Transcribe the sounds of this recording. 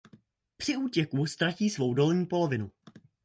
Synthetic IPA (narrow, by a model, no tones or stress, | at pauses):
pr̥ɪuːcɛkust̪ɾaciːsvo̞wdo̞lɲiːpo̞lo̞vɪnu